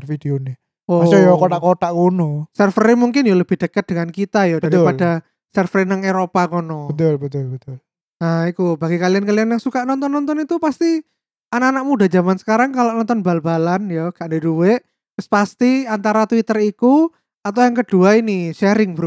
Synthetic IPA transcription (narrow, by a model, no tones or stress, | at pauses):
fid̥eonɪ | oojokot̪aʔkot̪aʔkunosɛrfəɾimuŋkɪnjoləb̥ɪhd̥əkət̪̚d̥əŋankit̪ajɔdaɾipad̥a | sɛrfɾinaŋeɾopakonobət̪ʊlbət̪ʊlbət̪ʊl | aikubaɡikaliankalianjaŋsukaʔnɔnt̪ɔnːɔnt̪ɔnit̪upast̪i | anaanak̚mudad͡ʒamansə̥kaɾaŋkaloʔnɔnt̪ɔnbalbalanjɔɡ̥aʔndeduweʔ | ʊspast̪iant̪aɾat̪wit̪əriku | at̪awjaŋkəd̥uainiʃɛɾɪŋbəɾu